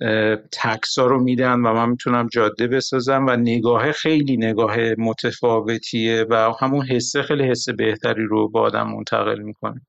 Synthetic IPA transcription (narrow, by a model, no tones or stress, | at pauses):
t̪ʰækʰsɒːɾomiːd̪ænvæmænmit̪ʰunæmd͡ʒɒːd̪ːe̞be̞sɒːzæmvæne̞ɡɒːɦexe̞jliːne̞ɡɒːɦemot̪ʰefɒːve̞t̪ʰievæhæmunɦe̞sːexejlihe̞sːe̞be̞ht̪ʰæɾiːɾobɒ̰ːd̪æ̰mːo̰nt̪ʰæ̰ɣe̞̰lmikʰo̞næm